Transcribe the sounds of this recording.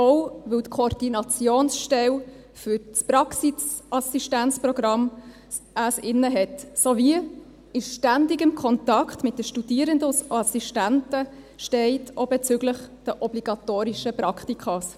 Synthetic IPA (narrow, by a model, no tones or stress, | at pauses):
owʋɵltkʰoɾd̥inɑt͡sjoːnsʃtɛw | fʏɾspɾɑksisʔɑsiʃtænt͡sprɔɡɾɑm | asɪnːəɦɛtsoviə | ɪʃʃtændiɡɪmkʰɔntɑkχtmɪt̚dəʃtud̥iəɾəndəsɑsiʃtæntə | ʃtɛɪtoːbɛt͡sʏɡləχd̥əʔɔbliɡɑtoːɾiʃəpɾɑktikʰχɑs